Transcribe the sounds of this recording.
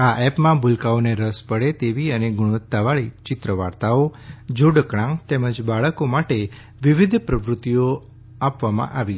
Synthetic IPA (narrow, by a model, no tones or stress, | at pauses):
aʔɛpmãbʱʊlkaoneɾəspəɽet̪eʋiəneɡʊɽ̃ʋət̪ːaʋaɭit͡ʃɪt̪ɾəʋa̰ɾt̪aod͡ʒoɽkɽãŋt̪ɛməd͡ʒbaɭəkomaʈe | ʋɪʋɪd̪ʱpɾəʋɾʊt̪ːijo | apʋamã̰ʔaʋi